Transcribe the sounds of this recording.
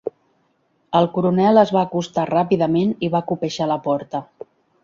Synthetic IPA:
əlˠkuɾunɛləzβaːkust̪arapiðəmeniβakupəʒaləpɔɾt̪ə

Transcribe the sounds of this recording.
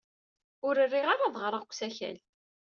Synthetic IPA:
ʊɾərːiʁaɾaðˤʁɾˤəʁkʷːsæçæ̰l

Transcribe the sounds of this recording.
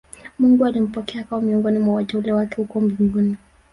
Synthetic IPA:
muŋɡualim̩pɔkɛakaɔmiɔŋɡɔnimwawatɛulɛwakɛhukɔmbiŋɡuni

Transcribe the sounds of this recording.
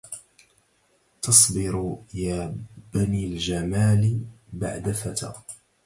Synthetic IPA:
t̪ɑsˤbɪɾjaːb̥aniːld͡ʒamaːlba̰ʕd̪afat̪a̰

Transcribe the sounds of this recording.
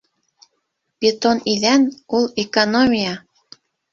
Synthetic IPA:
pet̪onilænulekonomʲijɑ

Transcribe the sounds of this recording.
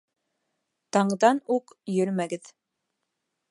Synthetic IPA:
t̪ɑɴðɑnuqjɵɾmæɡɘð

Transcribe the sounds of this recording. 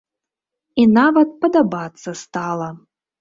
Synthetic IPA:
inavɐt̪̚pɐd̪abat̪sːɐst̪alˠɐ

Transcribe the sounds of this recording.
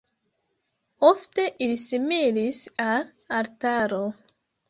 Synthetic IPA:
o̞fte̞ʔilisimilisal | aɾtaɾo

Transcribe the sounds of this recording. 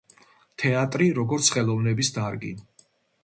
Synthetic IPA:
t̪ʰɛat̪ʼɾiɾɔɡɔɾt̪sʰχɛlˠɔvnɛbisd̪aɾɡḭn

